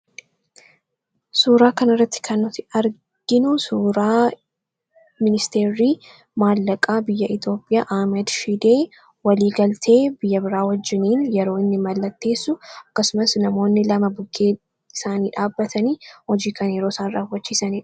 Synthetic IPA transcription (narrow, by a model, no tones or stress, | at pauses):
suːɾaːkɐnɪrːɐt̪ːɪ̥kʰɐnːʊt̪ɪɐɾ | ɡ̥ɪnʊsuːɾaː | mɪnɪst̪e̞ːɾːiː | maːlːɐkʼaːbɪjːɐʔɪt̪jo̞ːpʼɪjaːʔaːmɛd̪ʃid̪eː | wɐliːɡɐlt̪ʰe̞ːbɪjːɐbɪɾaːwɐd͡ʒːɪniːnjɛɾo̞ːɪnːɪmɐlːɐt̪ːe̞ːsːʊɐkːɐsʊmɐsnɐmo̞ːnːɪlɐmɐbʊɡːeː | ɪ̥saːniːᶑaːbːɐt̪ʰɐniːhɔd͡ʒiːkɐnjɛɾo̞ːsaːnraːwːɐt͡ʃːiːsɐniːᶑ